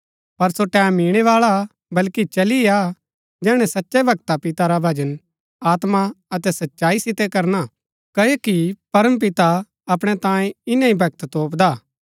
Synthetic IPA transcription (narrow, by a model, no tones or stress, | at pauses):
pɐɾsoʈɛːmiːɽ̃ɛʋaːɭa | bɐlkit͡ʃɐlia | d͡ʒɛːɽ̃ɛsɐtːʃɛbʱɐɡt̪apɪt̪aɾabʱɐd͡ʒən | aːt̪maɐt̪ɛsɐtːʃaːisɪt̪ɛkɐɾna | kɐekipɐɾəmp̬ɪt̪a | ɐp̬ɽ̃ɛt̪ãːẽɪnãibʱɐɡ̚t̪t̪oːpd̪aː